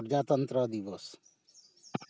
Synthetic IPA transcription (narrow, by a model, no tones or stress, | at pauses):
ɾd͡ʒat̪ʌnt̪ɾʌd̪iʋʌs